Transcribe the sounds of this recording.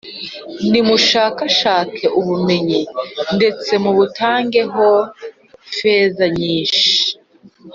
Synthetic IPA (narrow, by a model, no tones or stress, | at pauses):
nimuʃaːkaʃaːt͡seʔuβume̞ɲinde̞t͡se̞muβutaːŋɡe̞ɦo̞ | fe̞ːzaɲiːnʃi̥